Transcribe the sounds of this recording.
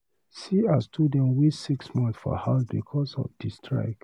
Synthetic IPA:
siastʰudɛ̃nwisiksmɔ̃nθsfɔ̰habikʰɔsɔ̰fdistʰɹa̰ɪk

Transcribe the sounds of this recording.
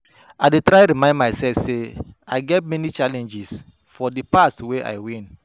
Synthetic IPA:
aɪdetɹaɪɾimãɪ̃ndmaɪsɛlfseaɪɡɛt̚mɛnit͡ʃalɛ̃nd͡ʒis | fɔdipastweʔa̰ɪwĩn

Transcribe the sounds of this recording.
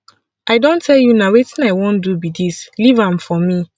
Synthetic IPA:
aɪdõntʰɛljunawetĩnaɪwõndubidislivãmfɔmi

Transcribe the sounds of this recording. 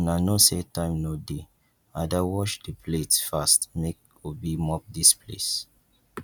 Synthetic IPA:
nanosetãɪmnode | adawɔʃdəpʰletfastmek̚ | obimɔp̚dispʰlḛs

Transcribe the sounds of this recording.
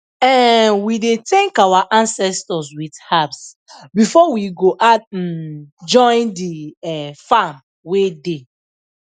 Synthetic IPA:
ɛ̃nwidetɛ̃ŋkawaʔãnsɛstɔswidhabs | bifɔwiɡoʔat̩ | d͡ʒɔ̃ɪ̃ndiɛfam | wede

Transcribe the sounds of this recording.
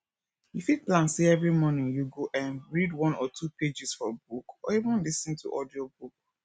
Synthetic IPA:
ifiplãnseɛvɹimɔnĩŋjuɡoʔɛ̃nɹidwɔ̃nɔtʰuped͡ʒisfɔbukɔ̰ivə̃nlisə̃ntʰṵʔɔdiɔbuk̚

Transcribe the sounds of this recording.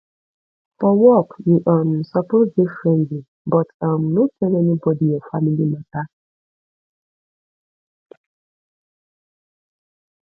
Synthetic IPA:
fɔwɔkjuʔãnn̩sapɔɾdɪfɾɛ̃ndi | bɔtãmnõt͡ʃʰɛ̃nɛ̃nɪ̃bɔdiɛfamilimãtʰa

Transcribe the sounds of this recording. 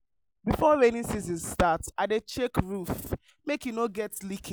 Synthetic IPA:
bifɔɹenĩnsizĩnstataɪdet͡ʃekɹuf | mekjunoɡɛtlikʰi

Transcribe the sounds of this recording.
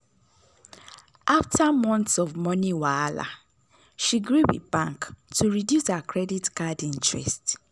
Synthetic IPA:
ʔaftamɔ̃ntsɔvmɔniwaala̰ | ʃiɡɹuwḭbãŋktuɹidjushakɹɛditkadĩntɹɛ̰st

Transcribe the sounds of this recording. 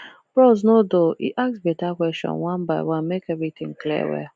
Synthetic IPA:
b̥ɹɔznodoḭʔaksbetakʷɛstɔ̰̃nwãnbaɪwãnmekɛvɾit̪ɪ̃ŋklḭwɛ̰

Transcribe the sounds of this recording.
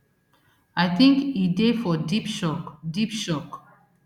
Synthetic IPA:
ajθĩŋkidefɔdipʃɔkdipʃɔk

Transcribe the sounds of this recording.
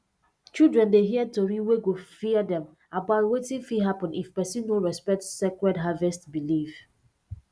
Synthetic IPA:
t͡ʃildɹɛ̃ndeɦiɛd̚toɹiweɡofiədɛ̃m | abaʊtwetĩnfiɦapɔ̃nifpɛsĩnːoɹɛspɛk̚tsekɹɛdɦavɛstbilif

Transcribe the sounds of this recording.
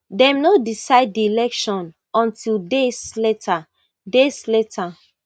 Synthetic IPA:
dɛ̃mnodisaɪd̚ːiilɛkʃɔ̃n | ɔ̃ntʰildesletʰa | desletʰa

